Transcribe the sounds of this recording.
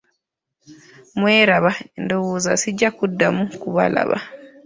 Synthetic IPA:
mwɛɾaβandɔwuzasid͡ʒakudːamukuβa̰la̰βa̰

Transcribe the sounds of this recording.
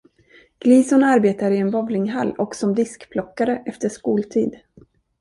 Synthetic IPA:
ɡ̥liːsʊnaɾbeːt̪aɾɪɛnvɔvlɪŋɦa̰lːɔksɔmd̪ɪskpʰlɔkːaɾəʔɛft̪əʂkuːlt̪ʰiːd̪

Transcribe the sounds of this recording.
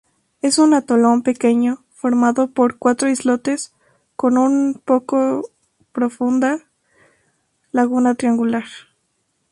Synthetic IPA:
e̞sunat̪olompekeɲo | foɾmaðopoɾkwat̪ɾoizlot̪es | konunpoko | pɾofund̪a | laɣunat̪ɾiaŋɡulaɾ

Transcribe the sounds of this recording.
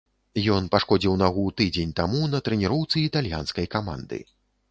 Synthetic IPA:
jɔnpaʂkɔd͡zʲiwnaɣut̪ɨd͡zʲenʲt̪amunɐt̪ɾɛnʲiɾɔwt̪sɨit̪alʲja̰nskɐjkama̰nd̪ɨ̰

